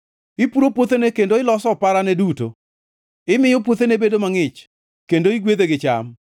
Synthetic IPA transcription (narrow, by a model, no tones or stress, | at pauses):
ɪpuɾopwot̪enɛkendoɪlɔsɔpaɾanɛduto̰ | ɪmɪjɔpwot̪enebedomaŋɪt͡ʃ | kendoiɡweðeɡɪt͡ʃa̰m